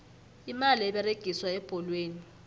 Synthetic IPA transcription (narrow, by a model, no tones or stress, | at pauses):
imaliɛɓɛreɡ̥ʱiswaɛb̥ʱɔlweːni